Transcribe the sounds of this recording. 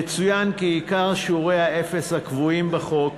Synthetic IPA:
et͡sujankiikaʁʃuʁejhae̞fe̞shakvuimbaχo̞k

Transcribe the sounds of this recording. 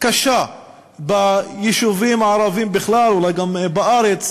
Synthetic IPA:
kaʃa | bajeʃuvimʕaɾavimbɪχlalulajɡambaaɾet͡s

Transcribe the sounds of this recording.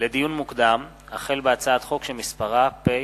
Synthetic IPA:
led̪ijunmukd̪am | aχe̞lbeat͡saat̪χo̞kʃelmispaʁape

